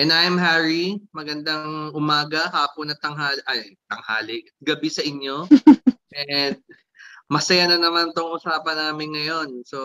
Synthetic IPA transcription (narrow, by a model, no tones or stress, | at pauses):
ʔɛnʔajɐmɦaːɹimɐɡɐnd̪ɐŋʔʊmaːɡɐhaːponɐt̪ɐŋhaːlʔɐjt̪ɐŋha̰ːlɪʔɐt̪̚ɡɐbisɐʔɪɲjo̞ʔɛd̪̚ | mɐsɐjanɐnɐmant̪oŋʔʊsaːpɐnaːmɪnŋɐjo̞nso̞